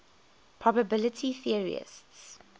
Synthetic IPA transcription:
pʰɹ̥ɔbəbɪlətʰiθiəɹḭə̰sts

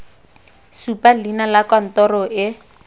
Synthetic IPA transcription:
supalinalakɔn̩tɔrɔʔɪ

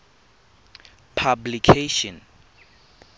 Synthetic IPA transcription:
pʰablikʰeʃɔ̃n

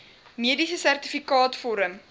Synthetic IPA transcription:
miədisəsærtifikɑːtfɔɾəm

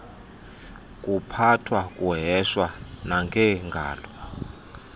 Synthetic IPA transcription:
kʼupʰatʰwakʼuɦɛʃwanaŋɡʱɛŋɡʱa̰ːlɔ

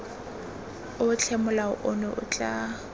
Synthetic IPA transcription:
ʊʊt͡ɬʰɛmʊlaʊʔʊnɔʔʊ̰t͡ɬʼa

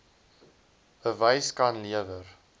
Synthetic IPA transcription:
əvəjskɐnliəvər

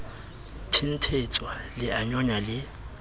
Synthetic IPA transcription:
tʰin̩tʰet͡sʼwalɪaɲɔɲalɪ

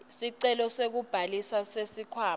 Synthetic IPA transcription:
siǀɛlɔsek̬ub̥ʱalisasesikʰwaː

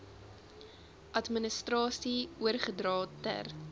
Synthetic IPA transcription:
ʔɐtmənəstrɑːsiuərχədrɑːtə̰r

